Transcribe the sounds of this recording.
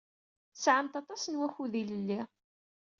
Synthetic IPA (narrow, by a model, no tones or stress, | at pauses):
sʕəmt̪ɑt̪ˤɑsənwæçuðiləlːi